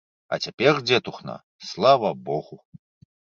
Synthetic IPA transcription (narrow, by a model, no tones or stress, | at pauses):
ɐ̰t͡sʲapʲɛrd͡zʲɛt̪uxnɐ̰ | slˠavɐbɔɣu